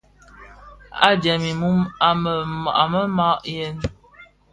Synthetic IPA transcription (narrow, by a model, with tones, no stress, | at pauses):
a̰˦dɛ˨mi˨mu˦ma˨mə˨a˨mə˦ma˦ʔjɛ˦n